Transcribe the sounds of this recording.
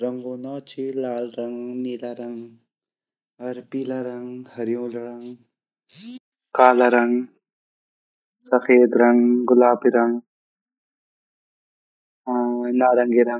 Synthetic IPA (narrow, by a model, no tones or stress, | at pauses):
ɾɐŋɡoːnɔːt͡ʃʰilaːlɾɐŋɡniːlaɾɐŋɡ | ɐɾpiːlaɾɐŋɡhɐɾijõːlɽɐŋɡ | kaːlaɾɐŋɡ | sɐfeːd̪ɾɐŋɡɡʊlaːbiɾɐŋɡ | naːɾɐŋɡiɾɐŋ